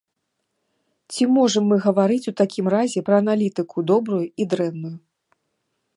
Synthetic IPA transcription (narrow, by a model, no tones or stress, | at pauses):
t͡sʲimɔʐɐmːɨɣɐvaɾɨt͡sʲut̪akʲimrazʲɛpɾɐːnalʲit̪ɨkʰud̪ɔbɾujuid̪ɾɛnːuju